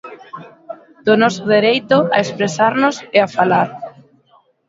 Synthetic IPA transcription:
d̪̥ʊnɔsʊðeɾejt̪ʊa̰espɾesaɾnʊseafalaɾ

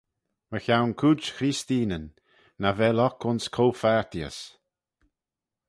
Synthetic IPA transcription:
məçawnkʰud͡ʒxɾist̪iːnənː | avɛlɔkʊnskʰowfaɹt̪iə̰s

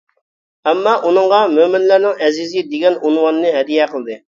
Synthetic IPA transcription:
ɛmːɑʔunɨɴʁɑmømɪnlæɾnɪŋɛzizɪd̪eɡʲɛnunwɑnnɨɦɛd̪ijɛqʰəlˠɨd̪ɨ

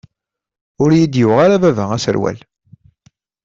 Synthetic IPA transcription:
ʊɾjid̪jʊʁaɾavævæŋæsə̰ɾwæ̰l

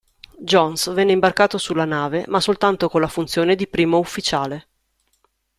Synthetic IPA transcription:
d͡ʒɔnsvɛnːeimbarkaːt̪osulːanaːvemasːolt̪ant̪okonlafunt̪sjoːned̪ipɾiːmoufːit͡ʃaːle

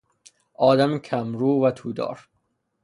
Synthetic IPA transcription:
ʔɒːd̪æmkʰæmɾuːvæt̪ʰuːd̪ɒ̰ːɾ

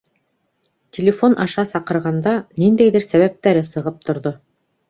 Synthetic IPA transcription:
tʲʰelʲɪfo̞nʔɑʃɑsɑqɤ̆ɾʁɑnd̪ɑnind̪æjðɘɾsæβæp̚t̪æɾɘsɤ̆ʁɤp̚t̪ŏɾðo

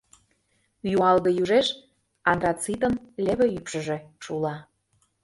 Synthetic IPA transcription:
juɑlɣɤ̆juʒeʃ | ɑnrɑt͡sit̪ə̆nlʲeβĕypʃə̆ʒĕʃulɑ

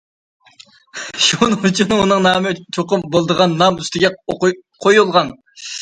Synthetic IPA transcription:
ʃunut͡ʃʰununɨŋnɑːmɨt͡ʃʰoqʊmbolˠd̪əʁɑnːɑmyst̪ɪɡʲɛqʰojulˠʁɑn

